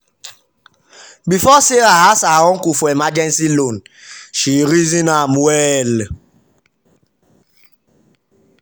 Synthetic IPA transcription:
bifɔseɾaɦasaɔŋ̩kufoemad͡ʒɛnsilonʃiɾizinamɛl

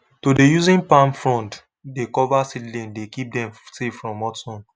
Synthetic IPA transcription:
todejuzĩnpãnfɹɔ̃nt | dekɔvasidlĩndekip̚dɛ̃msefɹɔ̃mɔtɔ̃n

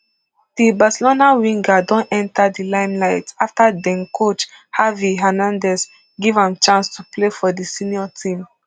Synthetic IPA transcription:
d̥ibasɛlonawĩŋɡadɔ̃nɛ̃ntadilãɪ̃mlaɪtaftadɛ̃nkʰot͡ʃ | haviɦɛnãndɛs | ɡivãmt͡ʃãnstʰuplefɔdisĩniɔtʰĩm

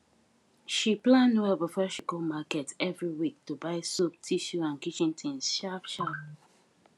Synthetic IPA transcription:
ʃiplãnoɛvəfɛʃiɡomakɛtɛvɹiwik̚tubaɪsop̚tʰiʃuãnkit͡ʃĩntʰĩnsʃafʃap

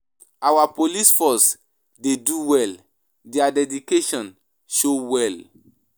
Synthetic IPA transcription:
awapolisfɔs | deduwɛl | deadɛdikeʃɔ̃n | ʃowɛl

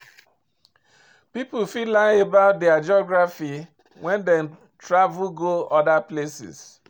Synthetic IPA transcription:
pipufilãebaʊt̚dɛad͡ʒɔɡɹafi | wʔɛ̃ndɛ̃n | tɹavuɡoɔdaplesɪ̰s

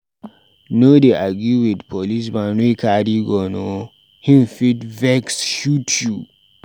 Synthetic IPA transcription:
nodeʔaɡuwidpʰɔlis̬bãnekadiɡɔno | hĩnfitvɛksʃutʰu

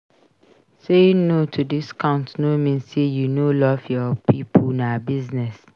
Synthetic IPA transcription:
sẽnotʰudiskʰãʊ̃ntnomĩnsejunolɔvjɔpʰipʰõnabiznɛs

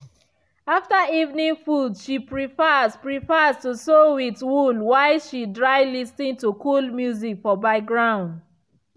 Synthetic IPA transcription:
aftaivnĩŋfudʃipɹifaspɹifastusowitwulwaɪʃidɹaɪlistĩntukulmjuzikfɔbaɡɹãʊ̃nd

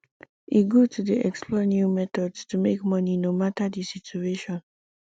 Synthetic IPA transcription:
ʔiɡutʰudiʔɛksplɔnjumɛtɔdstumekmʌninomatadisitueʃɔ̃n

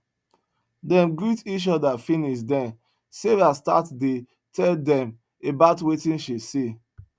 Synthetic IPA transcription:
dɛ̃nɡɹitit͡ʃɔdafĩniʃdɛ̃n | sevasta̰tde | tʰɛldɛ̃m | ebaʊtwetĩnʃise

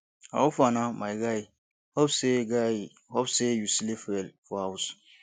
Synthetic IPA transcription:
a̰ufanamajɡaj | hɔbseɡa | wɔbsejusilefɛlfɔhaus

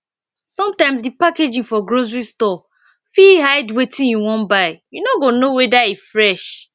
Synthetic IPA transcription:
sɔ̃mtãɪ̃msdipaked͡ʒĩŋfɔɡɹozɹistɔ | fiɦaɪdwetʰĩnjuwɔ̃nbaɪjunɔɡonowɛdaifɹɛʃ

